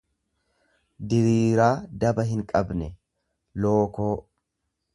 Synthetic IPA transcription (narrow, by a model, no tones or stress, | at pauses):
d̪ɪɾiːɾaːd̪ɐbɐɦɪŋkʼɐbnɛ | lo̞ːko̞ː